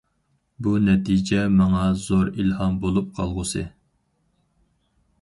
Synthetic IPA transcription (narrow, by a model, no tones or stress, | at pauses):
bunɛt̪ʰid͡ʒɛmɑŋɑzoɾilhɑmbolˠup̚qʰɑlˠʁʊsɨ